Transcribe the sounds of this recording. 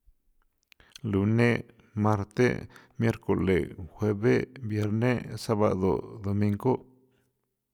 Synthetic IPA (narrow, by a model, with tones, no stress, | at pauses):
lu˨ne˦ | ma˧ɾt̪ḛ˦mje˦ɾko˨lḛ˨xʷe˧be˦bje˧ɾne˦sa˦ba̰˧d̪o̰˨d̪o˨mi˧ŋɡo˦